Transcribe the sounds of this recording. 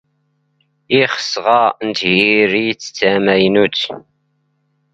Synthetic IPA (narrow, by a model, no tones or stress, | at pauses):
iχə̥sʁɑnt̪hiɾijt͡sːt͡sːæmæjnut͡s